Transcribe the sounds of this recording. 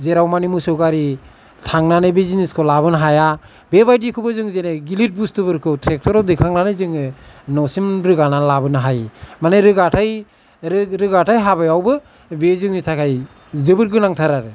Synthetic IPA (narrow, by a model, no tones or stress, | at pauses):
zeɾawmanimusɔɡaɾi | tʰaŋnanɯbiziniskʰɔlabɯnɦaja | bebajdikʰɯbɯzɯŋzeneɡilit̚bustɯbɯɾkʰɯtʰɾek̚tʰɔɾɔwdikʰaŋnanɯjzɯŋɯnɔsimɾɯɡananlabɯnɦajmanajɾɯɡatʰaj | ɾɯɡatʰajɦabajawbɯ | bezɯŋnitʰakʰaj | zɯbɯɾɡɯnaŋtʰaɾaɾɯ